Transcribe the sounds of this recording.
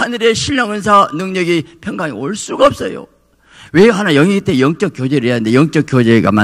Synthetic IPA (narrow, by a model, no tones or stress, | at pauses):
hanɯɾe̞ɕʰiʎːʌŋɯnsʰanɯŋɲʌɡipʰjʌŋɡaŋioɭs͈uɡaʌp̚s͈ʌjo̰ | weɦanajʌŋiɡitʰejʌŋt͡ɕ͈ʌk͈̚jod͡ʑe̞ɾɯɭɦeand̪e̞jʌŋt͡ɕ͈ʌk͈jod͡ʑe̞ɡa̰ma